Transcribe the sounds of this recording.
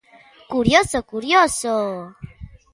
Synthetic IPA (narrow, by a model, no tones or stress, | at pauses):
kuɾjosokuɾjoso